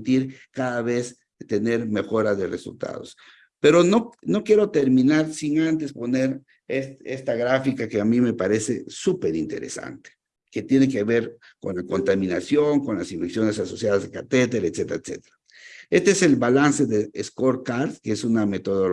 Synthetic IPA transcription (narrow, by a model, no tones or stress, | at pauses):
t̪iɾkaðaβe̞s | t̪e̞ne̞ɾme̞xo̞ɾaðe̞resṵlt̪a̰ðos | pe̞ɾo̞nono̞kjeɾo̞t̪eɾminaɾsiŋant̪espo̞ne̞ɾ | eest̪aɣɾafikakeamime̞paɾe̞sesupe̞ɾḭnt̪e̞̰ɾḛsa̰nt̪e̥ | ket̪jenek̬e̞βeɾ | ko̞̰nlako̞nt̪amĩnasjoŋko̞nlasiɱfeksjo̞ne̞saso̞sjaðazðekat̪et̪eɾet̪set̪eɾaet̪sḛt̪e̥ɾa | est̪eeselβalanse̞ðeeskoɾkaɾskeesuname̞t̪oðol